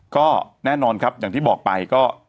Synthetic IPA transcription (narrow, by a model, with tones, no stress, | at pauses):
kɔː˥˩nɛː˥˩nɔː˧nkʰa˦˥p̚jaː˨˩ŋt̪ʰiː˥˩ɔː˨˩k̚pa˧jkɔː˥˩